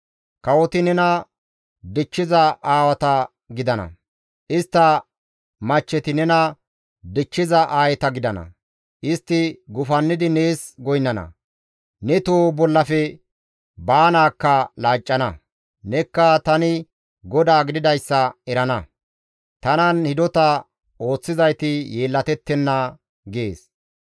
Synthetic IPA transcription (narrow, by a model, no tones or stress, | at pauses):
kɐwɔt̪ɪnɛnɐ | d̪ɪt͡ʃːɪzɐaːwɐt̪ɐ | ɡɪd̪ɐnɐ̰ | ʔɪst̪ːɐ | mɐt͡ʃːɛt̪ɪnɛnɐ | d̪ɪt͡ʃːɪzɐʔaːjɛt̪ɐɡɪd̪ɐnɐ̰ | ʔɪst̪ːɪɡʊfɐnːɪd̪ɪneːsɡɔjnːɐnɐ̰ | nɛt̪oːbɔlːɐfɛ | baːnaːkːɐlaːt͡ʃʼːɐnɐ | nɛkːɐt̪ɐnɪ | ɡɔd̪aːɡɪd̪ɪd̪ɐjsːɐɛɾɐnɐ | t̪ɐnɐnhɪd̪ɔt̪ɐ | o̞ːt͡sːɪzɐjt̪ɪjeːlːɐt̪ɛt̪ːɛnːɐ | ɡeːs